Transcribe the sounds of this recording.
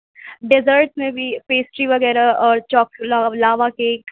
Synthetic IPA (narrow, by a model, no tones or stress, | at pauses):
ɖɪzəɾʈsmẽbʱipeːsʈɾiʋɐɡɛːɾaɔːɾt͡ʃɔːklːlaːʋakeːk